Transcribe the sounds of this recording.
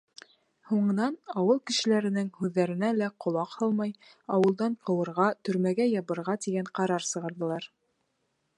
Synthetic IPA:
huɴɤ̆nɑnɑwɤlˠkɘ̆ʃɘ̆læɾɘ̆nɘŋhʉðːæɾɘ̆nælæqŏlˠɑqhɑlˠmɑj | ɑwɤ̆lˠd̪ɑɴqɤ̆wɤ̆ɾʁɑt̪ɵ̆ɾmæɡæjɑβɤ̆ɾʁɑt̪iɡæɴqɑɾɑɾsɤ̆ʁɑ̆ɾðɤ̆lˠɑɾ

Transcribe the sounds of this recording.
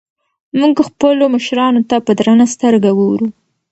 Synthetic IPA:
muɡxpəloməʃɾɑnot̪apəd̪ɾanast̪əɾɡaɡowɾu

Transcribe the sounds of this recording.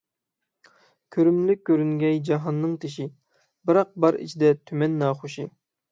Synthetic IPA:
kʲʰøɾymlykʲːøɾyŋɡʲɛjd͡ʒɑɦɑnːɨŋt̪ʰeʃi | bɨɾɑq̚bɑɾḭt͡ʃʰid̪ɛt̪ʰymɛnːɑːχoʃi

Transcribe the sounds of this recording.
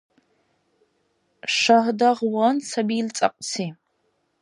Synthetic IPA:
ʂaɦdaʁwɐnsabilt͡sʼɐ̰qʷʼsʰi

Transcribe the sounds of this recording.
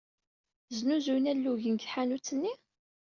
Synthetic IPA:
znuzunælːuʝənɡθħanut͡sːənːi

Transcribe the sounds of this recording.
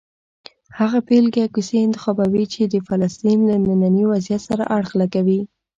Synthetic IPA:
haɣapelɡakuseɪnt̪ɪ̥xɑbawit͡ʃed̪əfalast̪inlanananiwazijat̪saɾa̰ʔaɽxlakawi

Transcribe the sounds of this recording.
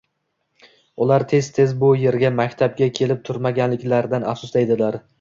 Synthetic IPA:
ʊlaɾt̪ʰe̞z̥t̪ʰe̞zbʊje̞ɾɡʲamakʲt̪ʰab̚ɡʲakʲʰe̞lɪp̚t̪ʰʊɾmaɡʲanlɪkʲlaɾd̪anaχsʊsd̪ejd̪ɪlaɾ

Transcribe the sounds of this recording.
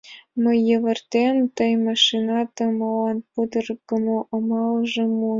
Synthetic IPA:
mɤ̆ːĕʋɤ̆rt̪ʲemt̪ɤ̆jmɑʂinɑt̪ɤ̆mɑlɑnpud̪ɤ̆rɡɤ̆moʔŏmɑlˠʐɤ̆mu

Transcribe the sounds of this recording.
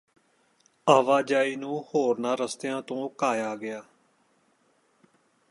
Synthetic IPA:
aːʋaːd͡ʒaːiːnũːhoːɾnaːɾəst̪ejãːt̪õːkaːjaːɡɪjaː

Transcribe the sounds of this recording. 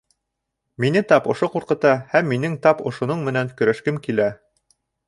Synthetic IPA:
minɘt̪ɑpŏʃoquɾqɤ̆t̪ɑhæmːinɘŋt̪ɑpŏʃŏnoɴmɘ̆nænkɵ̆ɾæʃkɘmkilæ

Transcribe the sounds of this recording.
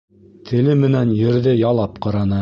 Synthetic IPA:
t̪ʰɘ̆lɘmɘ̆nænjɵ̆ɾðɘjɑlˠɑpqɑɾɑnɤ

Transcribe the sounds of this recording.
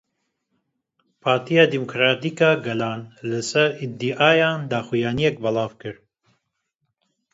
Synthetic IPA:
pʰaːɾt̪ʰijɑːd̪imukɾaːt̪ikɑːɡɛlɑːnlɨsɛɾid̪iʔaːjaːnd̪aːxujɑːnijɛk̚bɐlɑːvkɨɾ

